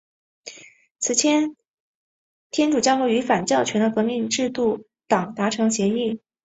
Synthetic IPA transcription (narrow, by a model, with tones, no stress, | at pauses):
t͡sʰɹ̩˨˩t͡ɕʰjɛ˧˥n | t̪ʰjɛ˥nʈ͡ʂu˨˩t͡ɕjɑ˥ʊkwɔ˥˩y˧˥fa˨˩nt͡ɕjɑ˥˩ʊt͡ɕʰɥɛ˧˥nd̪ə˧kɤ˧˥mi˥˧ŋʈ͡ʂɻ̩˥˧t̪u˥˩ | t̪ɑ˨˩ŋt̪a˧˥ʈ͡ʂʰɤ˧˥ŋɕjɛ˧˥i˥˩